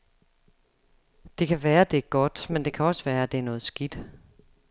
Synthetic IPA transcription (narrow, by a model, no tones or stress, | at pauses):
d̥e̝kʰæʋæːɐd̥e̝æɡ̥ɒ̽d̥mend̥e̝kʰæɒ̽səʋæːɐæd̥e̝æɐnɔ̽ːð̩ˠsɡ̥id̥